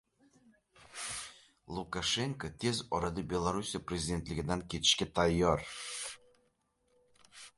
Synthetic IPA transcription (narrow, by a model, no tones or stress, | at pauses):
lˠukaʃeŋkot̪ʲʰezɒɾɑd̪ɤbʲelˠaɾusʲijaprʲezʲidʲe̞nt̪lʲɪɡʲɪd̪ænkʲet̪ɪ̥ʃkʲet̪ʰɑjːɑɾ